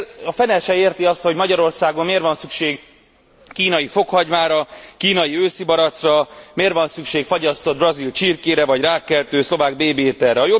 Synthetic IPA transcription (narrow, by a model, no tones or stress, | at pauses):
ɒfɛnɛʃɛeːrt̪iɒst̪ho̞ɟmɒɟɒɾo̞rsaːɡo̞mmeːrvɒnsykʃeːɡ | kiːnɒjifo̞khɒɟmaːɾɒkiːnɒjiøːsibɒɾɒt̪srɒmeːrvɒnsykʃeːkfɒɟɒst̪o̞d̪̚brɒzilt͡ʃiːrkeːɾɛvɒɟraːkːɛlt̪øːslo̞vaːɡ̚beːbeːt̪ɛrɛɒjo